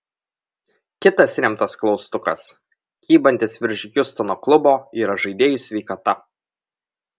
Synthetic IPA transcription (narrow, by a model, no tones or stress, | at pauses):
kʲɪt̪ɐsɾʲɛmt̪ɐsklˠɒʊst̪ʊkɐ̰s | kʲiːbɐnʲt̪ʲɪsʋʲɪɾʲʒʲɪkʲʊst̪ɔnoːklˠʊboːiːɾɐʒɐɪd̪ʲeːjʊsʲʋʲɛɪkɐt̪ɐ